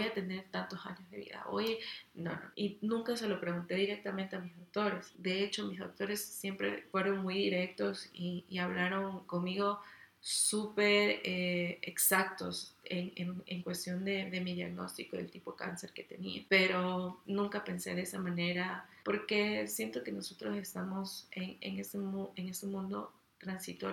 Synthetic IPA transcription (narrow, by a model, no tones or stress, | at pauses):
bojat̪e̞ne̞ɾt̪ant̪osa̰ɲozðe̞βḭða̰ʔo̞̰jeno̰no̰inũŋkas̬e̞lopɾe̞ɣunt̪e̞ðiɾe̞k̚t̪ament̪eamisawt̪o̞ɾe̞sd̪e̞e̞t͡ʃomisawt̪o̞ɾe̞sːje̞mpɾe̞̰fwe̞ɾo̞nmujðiɾe̞k̚t̪o̞siːaβlaɾo̞ŋko̞nmiɣo̞supeɾeḛksak̚t̪o̞̰seŋeŋeŋkwe̞st̪jo̞nd̪e̞ðe̞miðjaɣno̞̰st̪ikoðelt̪ipo̞ka̰nse̞ɾke̞t̪e̞niape̞ɾo̞nũŋkape̞nse̞ðesamãne̞ɾapo̞ɾke̞sje̞nt̪o̞ke̞no̞so̞t̪ɾose̞st̪amo̞seŋḛŋesemueŋe̞semũnd̪o̞̰ | t̪ɾansit̪o